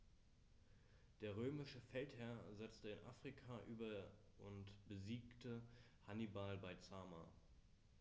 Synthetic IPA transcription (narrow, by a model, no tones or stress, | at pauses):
d̥eːɐʁ̞øːmɪʃəfɛlthɛɐzɛt͡stəɪnʔa̰ːfʁ̥ikʰaʔyːbɐ | ʔʊntb̥əziːktʰə | hanibalbaɪt͡saːma̰